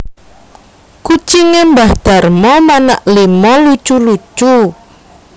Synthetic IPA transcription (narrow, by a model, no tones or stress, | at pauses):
kut͡ʃiŋɛmbahd̪̥a̤rmɔmanaʔlimɔlut͡ʃulut͡ʃu